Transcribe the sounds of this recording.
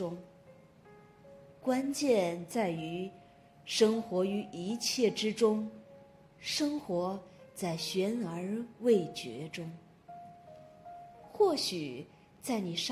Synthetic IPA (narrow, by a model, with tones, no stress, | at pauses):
ʊ˥ŋ | kwa˥nt͡ɕjɛ˥˧nt͡sa˥˩ɪy˧˥ | ʂɤ˥ŋxwɔ˧˥y˧˥ʔi˧˥t͡ɕʰjɛ˥˩ʈ͡ʂɻ̩˥ʈ͡ʂʊ˥ŋ | ʂɤ˥ŋxwɔ˧˥t͡sa˥˩ɪɕɥɛ˧˥nə˞˧˥we˥˩ɪt͡ɕɥɛ̰˧˥ʈ͡ʂʊ˥ŋ | xwɔ˥˩ɕy˨˩ | t͡sa˥˩ɪni˨˩ʂ